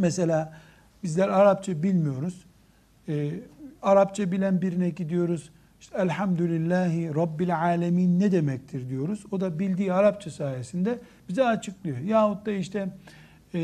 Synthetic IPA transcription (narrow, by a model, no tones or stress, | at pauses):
mese̞lʲaː | bizlʲæɾaɾapt͡ʃʰabilʲmijo̞ɾuz̥ | ɛːaɾapt͡ʃʰabilʲænbiɾinɛɟid̪ijo̞ɾuz̥ | iʃt̪ælʲħamd̪ulʲilʲːaːɦiɾɑbːilʲʕaːlʲemiːnːɛd̪e̞mɛc̚t̪ʰiɾd̪ijo̞ɾuzo̞d̪abilʲd̪iːaɾap̚t͡ʃʰasaːjesind̪ɛ | b̥izɛat͡ʃʰɯklˠɯjo̞jaːɦut̪̚d̪aiʃt̪ʰɛ